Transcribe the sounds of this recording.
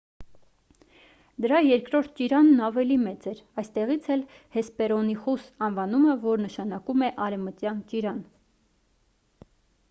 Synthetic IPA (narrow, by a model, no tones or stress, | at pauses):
d̪əɾɑjɛɾkɾɔɾt̪̚ʰt͡ʃiɾɑnːɑvɛlimɛt͡sɛɾɑjst̪ɛʁit͡sʰɛl | hɛspɛɾɔniχusɑnvɑnuməvɔɾnəʃɑnɑkumɛʔɑɾɛvmət̪jɑnt͡ʃiɾɑn